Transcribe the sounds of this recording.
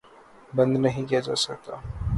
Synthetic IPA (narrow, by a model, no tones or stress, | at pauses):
bɐ̃nd̪nɐɦĩkijad͡ʒa̰ːsɐk̚t̪aː